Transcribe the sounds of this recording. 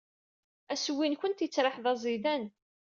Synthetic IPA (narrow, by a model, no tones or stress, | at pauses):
æswːinçʷənt̪jət͡sːɾˤɑħðɑzˤiðæn